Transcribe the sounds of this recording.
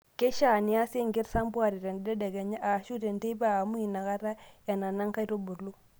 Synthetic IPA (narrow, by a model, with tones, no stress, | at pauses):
ke˦ʃa˦˨ni˨a˦si˦ŋɡi˦ɾsa˦mbu˦a˨ɾi˨ɾe˨n˨de˦de˨ɡe˨ɲa˦ʔa˨ʃu˦te˨nte˦ba˦a˨mu˦i˨na˨ka˦ɾa˦ja˨na˨na˦ŋka˦ɾo˦bu˨ɾlu˦